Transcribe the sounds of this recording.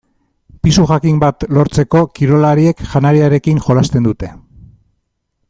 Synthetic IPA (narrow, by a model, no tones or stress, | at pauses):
pisuxakimbat̪lo̞ɾt͡se̞ko̞kiɾo̞laɾie̞kʝanaɾiaɾe̞kiŋʝo̞last̪e̞nd̪ut̪e̞